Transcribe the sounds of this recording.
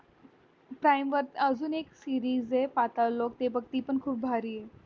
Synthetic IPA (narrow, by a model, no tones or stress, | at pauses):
pɾajmʋəɾt̪əd͡zuːneksiɾiːzepat̪alok̚t̪ebʱəɡt̪iːpəɳkʰuːp̚bʱaɾiːe